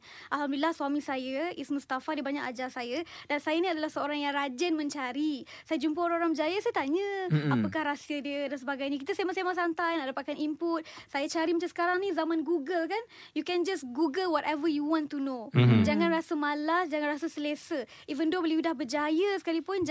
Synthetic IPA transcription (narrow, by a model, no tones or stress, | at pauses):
ʔalɦambdilahswamĩsajəʔismũst̪afadibaɲakad͡ʒasajədansajənĩadalahsəoɾaŋjaŋrad͡ʒənmə̃ɲt͡ʃaɾi | sajəd͡ʒumpəoɾãŋoɾãŋbəd͡ʒajəsajət̪aɲəapakahɾasiədiədansəbaɡajɲək̬it̪əsajmasemas̬ant̪ajnaʔləpat̪̚kanimpʊt̪̚sajət͡ʃaɾimat͡ʃãsə̥kaɾaŋnĩzamãnɡuɡəlkanjukɛnd͡ʒasɡuɡəlwɔt̪ɛvəjuwɔ̃nt̪unõd͡ʒaŋãnrasəmalasd͡ʒaŋãnrasəsəlesə | ivəndobəliudahbəd͡ʒajəsə̥kalipʊn